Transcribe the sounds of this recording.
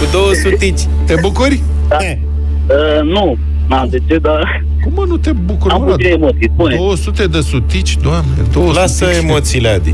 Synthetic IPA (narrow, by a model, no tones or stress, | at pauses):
kud̪owəsut̪it͡ʃʲ | t̪ebukuɾʲ | ae | ənu | nad̪et͡ʃed̪a | kumənut̪ebukuɾaueemot̪siund̪owəsut̪ed̪əsut̪it͡ʃʲd̪oamned̪owəlasəemot̪silead̪i